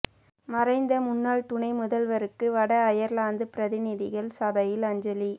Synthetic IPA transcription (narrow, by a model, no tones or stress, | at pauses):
mɐrɐɪnd̪ɐmʊnːaːɭt̪ʊɳɐɪmʊðɐlʋɐɾɯkːɯʋɐɽɐːjɐɾlaːnd̪ɯpɪɾɐðɪnɪðɪɣɐɭsɐbɐjɪlɐɲd͡ʒɐli